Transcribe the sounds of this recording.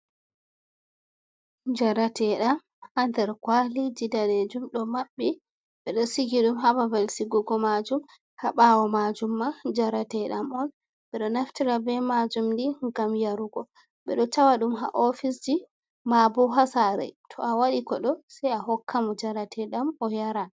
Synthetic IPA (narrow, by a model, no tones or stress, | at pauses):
d͡ʒaɾatʰɛɗam | ʔandɛɾkwalid͡ʒidaned͡ʒumɗɔmaɓːi | ɓɛɗɔsiɡiɗumɦabavalsiɡuɡɔmad͡ʒum | haɓawɔmad͡ʒumːad͡ʒaɾatɛɗamɔn | ɓɛɗɔnaftiɾabɛmad͡ʒumdiŋɡamjaɾuɡɔ | ɓɛɗɔtawaɗumɦa̰ʔofis̬d͡ʒi | mabɔɦasaɾɛ̰tʰɔawaɗikɔɗɔsɛjaɦɔkʰːamɔd͡ʒaɾatʰɛɗamɔjaɾa